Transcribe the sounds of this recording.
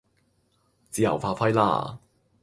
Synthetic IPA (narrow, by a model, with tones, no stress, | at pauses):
t͡siː˨˧jɐ̰˨˩wfaː˧fɐ˥jla̰ː˥˩